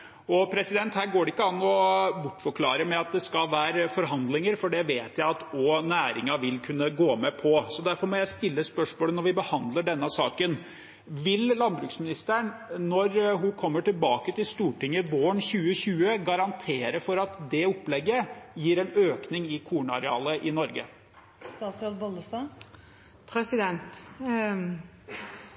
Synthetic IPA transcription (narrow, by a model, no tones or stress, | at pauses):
ɔpʰɾɛsɪd̪ɛnt̪hæːɾɡoːɖɛɪkːəɑnːɔbʊʈːfɔɾkʰlɑːɾəmɛɑt̪̚d̪ɛskɑlʋæːɾəfɔɾɦɑnd̪lɪŋəɾfɔɖɛʋeːt̪jæɪɑt̪ɔnæːɾɪŋɑʋɪlkʰʉnːəɡoːmɛpʰɔsɔd̪æɾfɔɾmɔjæɪst̪ɪlːəspœʂmoːlənɔɾʋɪbəhɑnd̪ləɖɛnːəsɑːkən | ʋɪllɑnbɾʉːksmɪnɪst̪əɳnɔɾɦʊkʰɔmːəʈɪlbɑːkət̪ɪlst̪uːʈɪŋːəʋoːɳçʉːəçʉːəɡɑɾɑnt̪ʰeːɾəfɔɾɑt̪d̪ɛɔpːlɛɡːəjiːɾɛnøːknɪŋɪkʰuːɳɑ̰ɾɛɑ̰ːləʔɪnɔɾɡə̰ | st̪ɑːt̪sɾolbɔnd̪əst̪ɑ | pʰɾɛsɪd̪ɛnt̪